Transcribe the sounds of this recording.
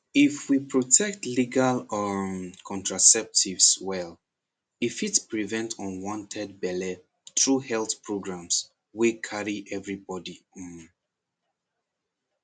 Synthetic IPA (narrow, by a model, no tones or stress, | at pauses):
ifwipɹɔtʰɛk̚tliɡalmkʰɔ̃ntɹasɛp̚tʰivswɛl | ifitpɹivɛ̃ntʰɔ̃nwɔ̃ntʰɛd̚bɛlɛ | tʰɹuhɛlθpʰɹoɡɹãms | wikʰaɹiʔɛvɹibɔdiɔ̃n